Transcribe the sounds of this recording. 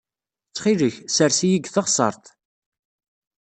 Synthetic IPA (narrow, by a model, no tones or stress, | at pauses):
t͡sːχiləçsəɾsijiɡθəʁsˤɑ̰ɾˤt̪